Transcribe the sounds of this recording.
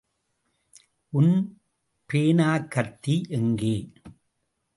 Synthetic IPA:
ʔʊn | peːnaːkːɐɾt̪ːiʔɛŋɡeː

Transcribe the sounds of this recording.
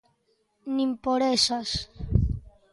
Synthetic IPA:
nĩmpoɾesas

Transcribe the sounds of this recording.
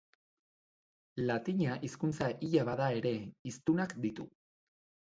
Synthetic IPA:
lat̪iɲaʔiskunt͡saʔiʎaβaðae̞ɾe̞ist̪unakd̪it̪u

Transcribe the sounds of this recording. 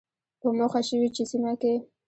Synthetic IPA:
pəmoxaʃəwit͡ʃesimake

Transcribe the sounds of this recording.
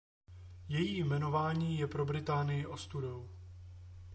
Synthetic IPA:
jɛjiːjmɛno̞vaːɲiːjɛpɾobɾɪt̪aːnɪjɪʔo̞st̪uɾow

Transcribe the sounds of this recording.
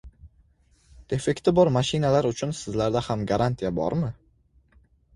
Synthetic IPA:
d̪̥e̞fe̞kt̪ʰɪbɒɾmaʃɪnalaɾʊt͡ʃʰʊnsɪzlaɾd̪ahamɡaɾant̪ʰijabɒ̰ɾmɪ

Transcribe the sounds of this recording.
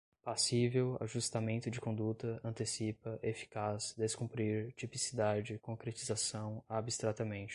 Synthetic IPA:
pasivewa̰ʒust̪amẽnt̪ʊd͡ʒɪkõd̪ut̪ɐɐ̃nt̪esipɐʔefi̥kasd̪eskũmpɾiɾt͡ʃipisid̪ad͡ʒɪkõkɾet͡ʃizasɐ̃w̃abist̪ɾat̪ɐmẽnt͡ʃɪ̥

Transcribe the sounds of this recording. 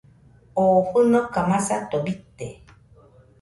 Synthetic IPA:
oːɸɨnɔkamasat̪obit̪ːe

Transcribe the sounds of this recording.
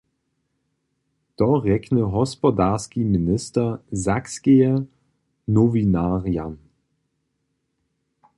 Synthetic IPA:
t̪ɔʁɛknəɦɔspɔdaːʁskiminɪstɐzakskeɛ | nɔvinaːʁijan

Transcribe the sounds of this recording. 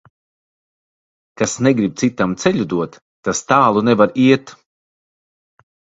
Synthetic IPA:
kasnɛɡɾip̚t̪sit̪amt̪sɛʎʲud̪uɔt̪ːast̪aːlˠunɛvaɾiɛt̪

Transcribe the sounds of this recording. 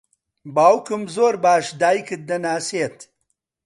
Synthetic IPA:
baːwkumzoːɾbaːʃd̪aːjkid̪ɐnaːseːt̪

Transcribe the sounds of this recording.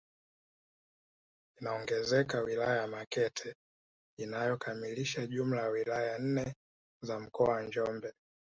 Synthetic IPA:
inaɔŋɡɛzɛkawilajajamakɛtʰɛ | inajɔkamiliʃauʄum̩lajawilajan̩nɛ | zam̩kɔawaɲd͡ʒɔmbɛ

